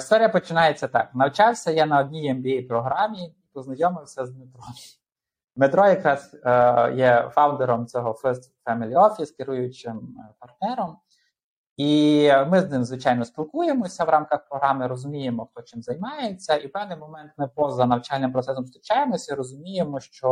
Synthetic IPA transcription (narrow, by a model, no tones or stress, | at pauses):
ist̪ɔɾʲijɐpɔt͡ʃɪnɑjet͡sʲːɐt̪ɑknɐwt͡ʃɑwsʲɐjɛnɐɔd̪ʲnʲijɛmbʲeipɾɔɦɾɑmʲiipɔznɐjɔmɪwsʲɐzmet̪ɾɔmʲi | mɪt̪ɾɔjɐkɾɑsjɛfɑwnd̪eɾɔmt͡sʲɔɦɔffɛmɪlʲɔfʲiskɪɾujʊt͡ʃɪmpɐrt̪nɛɾɔm | imɪznɪmzʋɪt͡ʃɑjnɔsʲpʲilˠkujemɔsʲɐwɾɑmkɐxpɾɔɦɾɑmɪɾɔzʊmʲijemɔxt̪ɔt͡ʃɪmzɐjmɑjet͡sʲːɐiwpɛwnɪjmɔmɛnt̪mɪpɔzɐnɐwt͡ʃɑlʲnɪmpɾɔt̪sɛsɔmst̪ɾʲit͡ʃɑjemɔsʲɐɾɔzʊmʲijemɔʃt͡ʃɔ